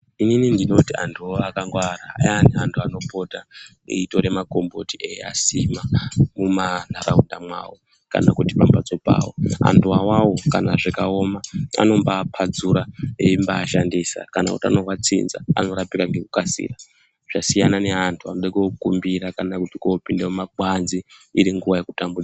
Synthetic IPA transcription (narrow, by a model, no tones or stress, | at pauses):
ininindino̞tia̰ntʰuoakaŋɡwaɾaa̰jaːniantʰuano̞po̞ta | ḭitoɾe̞mako̞mbo̞tieja̰simamuman̤aɾaundamwa̰wo | ka̰nakutipambad͡zo̞pa̰ːwo̰a̰ntʰuwawawo̞kanaʐekao̞maa̰no̞mbaːpʰad͡zuɾaeimbaːʃandiːsa̰kanakṵtia̰no̞wat͡sḭnza̰a̰no̞ɾapikaŋɡe̞kukasḭra | ʐ̥asijanane̞antʰuanoɗekekumbiɾakanakutikopindeumaɡʱwanziːɾiŋɡuʋaje̞ku̥tambuɗa